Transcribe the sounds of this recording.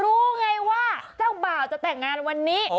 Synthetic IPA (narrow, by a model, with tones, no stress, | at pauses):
ɾuː˦˥ŋa˧jwaː˥˩t͡ɕaː˥˩wbaː˨˩wt͡ɕa˨˩t̪ɛː˨˩ŋːaː˧nwa˧nːiː˦˥